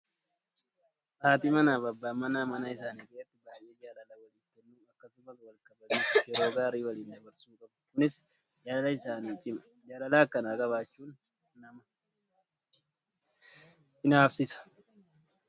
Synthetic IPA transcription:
ʔaːt̪imɐnaːbɐbːaːmɐnaːmɐnɐɪsaːniːkʼeːɛt̪ːɪbaːjʔe̞ːd͡ʒaːlɐlawɐliːtːɛnːuːɐkːɐsʊmɐt̪wɐlkʼɐbɐmiːjɛɾo̞ːɡaːɾiːwɐliːnd̪ɐbɐɾsuːkʼɐbkʊnɪs | d͡ʒallɐɪsaːniːt͡ʃʼɪmɐ | d͡ʒaːlɐlaːkːɐnaːɡɐβaːt͡ʃːuːnː | ɐmɐ | ʔɪnaːfsɪsɐ̥

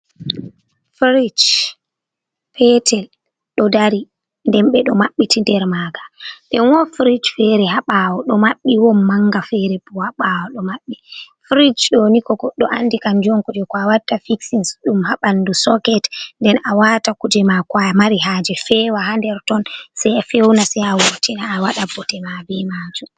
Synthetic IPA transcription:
fɾid͡ʒ | pʰɛtʰɛl | ɗɔdaɾi | ndɛnɓɛɗɔmaɓːitʰindɛɾmaɡḁɗɛnwɔfɾid͡ʒfɛɾɛɦaɓawɔɗɔmaɓːiwɔnmaŋːɡafɛɾɛbuhaɓawɔɗɔmaɓːi | fɾid͡ʒɗonikɔɡɔɗːɔʔanːdikand͡ʒɔŋkud͡ʒɛkɔawatːafiksinsɗumhaɓandusɔkɛtndɛnawaːtakud͡ʒɛmakwamaɾiɦaːd͡ʒɛfɛːwahandɛɾtɔnsɛjafewnasɛjawotʰinaːwaɗabɔtɛmabɛmad͡ʒum

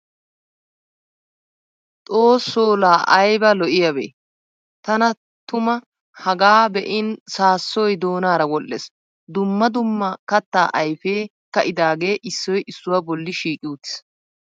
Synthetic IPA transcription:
t̪ʼoːsːoːlaːʔɐjbɐlɔʔɪjɐbḛː | t̪ɐnɐ | t̪ʊmɐ | hɐɡaːbɛʔɪnsaːsːɔjd̪o̞ːnaːɾɐwɔlːes | d̪ʊmːɐd̪ʊmːɐkɐt̪ːaːʔɐjfeː | kɐʔɪd̪aːɡe̞ːʔɪsːɔjʔɪsːʊwabɔlːɪʃiːkʼɪʊt̪ːɪ̥s

